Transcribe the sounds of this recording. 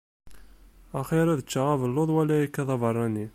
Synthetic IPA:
æχiɾæðət͡ʃːaʁavəlːoðˤwælæjikːɑðˤɑvərˤːɑni

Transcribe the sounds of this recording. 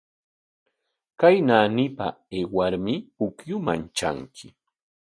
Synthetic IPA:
kajnaːnɪpa̰eːwaɾmɪpʊkjʊmant͡ʃa̰ŋkʰɪ̥

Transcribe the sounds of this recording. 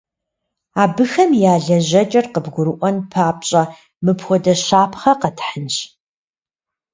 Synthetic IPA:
aːbɨxɐmjaːɮɐʑɐt͡ʃʼɐrqəbɡʷʊɾɨʔʷɔnpʰaːp̚ɕʼɐ | mɨpxʷɔdɐʃaːpʰχɐqɐtʰħənɕ

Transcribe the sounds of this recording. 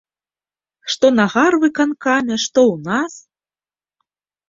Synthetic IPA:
ʂt̪ɔnaɣarvɨkankamʲɛʂt̪ɔwnas

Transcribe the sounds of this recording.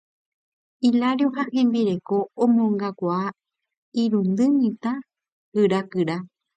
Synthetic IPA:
ilaɾjoɦãhẽ̞mbiɾe̞ko̞õmõŋɡakʷaa | iɾũnd̪ɨmĩt̪a | hɨɾakɨɾa

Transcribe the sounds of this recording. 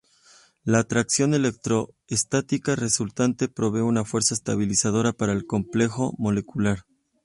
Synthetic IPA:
laːt̪ɾaksjo̞ne̞le̞k̚t̪ɾo̞ | est̪at̪ikare̞sult̪ant̪e̞pɾo̞β̞e̞unafwe̞ɾsaest̪aβ̞ilisað̞o̞ɾapaɾaelko̞mple̞xo̞mo̞le̞kulaɾ

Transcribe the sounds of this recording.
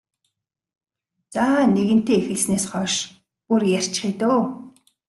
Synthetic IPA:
t͡saːneɣɘ̆n̥t̪eːixɘ̆ɮsneːsχɔːʃ | purjær̥ʲt͡ɕχiːt̪oː

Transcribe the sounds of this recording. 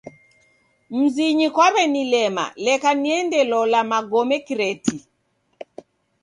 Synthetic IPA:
m̩ziɲikwaβɛnilɛma̰lɛkaniɛndɛlɔlamaɡɔmɛkiɾɛti

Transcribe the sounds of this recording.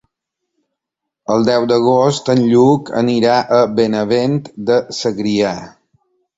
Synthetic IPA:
əlˠd̪ɛwd̪əɣ̞ost̪ənʎukə̰niɾaʔəbenəβent̪d̪əsəɣɾia

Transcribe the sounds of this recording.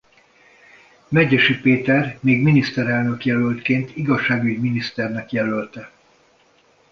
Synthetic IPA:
mɛɟɛʃypeːt̪ɛrmeːɡminist̪ɛɾɛlnø̞kjɛlølt̪keːnt̪iɡɒʃːaːɡyɟminist̪ɛrnɛkjɛlølt̪ɛ

